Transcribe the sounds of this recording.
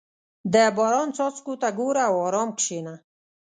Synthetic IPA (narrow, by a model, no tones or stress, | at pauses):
d̪ɛbɔɾɑnt͡sɔt͡skut̪aɡuɾawɔːɾɔmkʃena